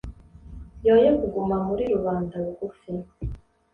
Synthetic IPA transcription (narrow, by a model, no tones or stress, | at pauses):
jo̞ːjekuɡumamuɾiɾuβaːndaɾuɡufi